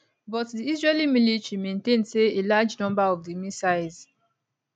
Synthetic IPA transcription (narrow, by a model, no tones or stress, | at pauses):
bɔtdiizɹelimilitɹimẽntẽndseelad͡ʒnɔ̃mbaɔvdimisaɪz̥